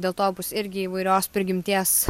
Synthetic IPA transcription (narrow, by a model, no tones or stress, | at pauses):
d̪ʲeːlˠt̪oːbʊsɪɾʲɡʲɪiːʋɐɪɾʲoːspʲɾʲɡʲɪmʲt̪ʲiɛs